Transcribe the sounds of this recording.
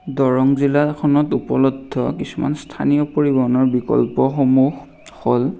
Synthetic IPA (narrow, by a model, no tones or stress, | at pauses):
dɔɹɔŋzilakʰɔnɔtupɔlɔdʱːɔkisuma̰nstʰanijɔpoɹibɔɔnɔɹbikɔ̰lpɔxomux | xɔl